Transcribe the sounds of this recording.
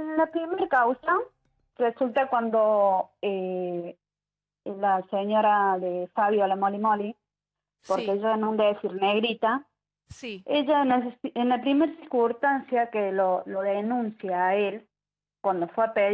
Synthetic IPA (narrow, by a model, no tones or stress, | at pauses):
enlapɾimeɾkawsa | result̪akwand̪oe | laseɲo̞ɾaðefaβjolamolimoli | poɾkeeʝanõnd̪eðesiɾneɣɾit̪a | seʝanesesenlapɾimeɾsiɾkunst̪ansjakeloloðenũnsjaːel | kwand̪ofweape